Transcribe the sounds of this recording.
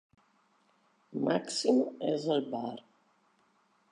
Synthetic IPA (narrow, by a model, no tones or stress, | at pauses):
maksimɛzəlbaɾ